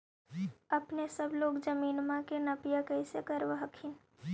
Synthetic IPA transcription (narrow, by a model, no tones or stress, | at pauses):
ɐpnesəbloːɡd͡ʒəmiːnmãkenɐpɪjakəɪsekəɾʋəɦəkʰɪn